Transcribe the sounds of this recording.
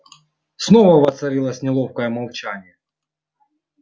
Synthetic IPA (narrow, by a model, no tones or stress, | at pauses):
snovɐvɐt̪sɐɾʲilˠəsʲnʲɪlˠofkəjəmɐlˠt͡ɕanʲɪjɛ